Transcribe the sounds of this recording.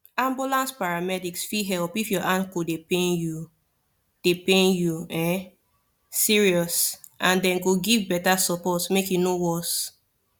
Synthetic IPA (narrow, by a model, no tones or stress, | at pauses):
ãmbulãnspaɹamɛdiksfiɦɛlpifjɔʔãnkodepenju | d̥epẽnjuɛ̃ | siɹiɔsʔãndɛ̃nɡoɡivbɛtasɔpɔtmekjunowɔs